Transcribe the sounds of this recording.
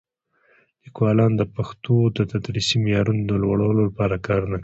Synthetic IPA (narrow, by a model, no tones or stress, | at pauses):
likwɑlɑnd̪əpaxt̪od̪ət̪ad̪ɾisimɪjɑɾunod̪əlwaɽawlolapɑɾakɑɾnak